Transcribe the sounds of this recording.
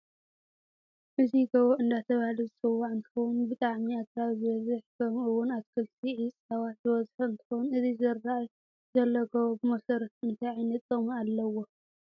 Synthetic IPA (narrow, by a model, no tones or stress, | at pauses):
ʔɨziɡɐβoɨnd̪at̪ʰɐβahlizɨsʼɨwːaʔɨnt̪ʰɨ̥xownbɨt̪ʼaʕmiat̪ɾawzɨβɐzɨħkʰɐmɨwʊnatkʰɨlt̪ʰiʕisʼawatzɨβɐzħuɨnt̪ʰɨ̥xownɨzizɨɾːaʔ | zɐlːɐɡɐwobɨmɐsɐɾɐt̪ɨnt̪ʰajʕajnɐt͡s̪ʼɐmualːɐwo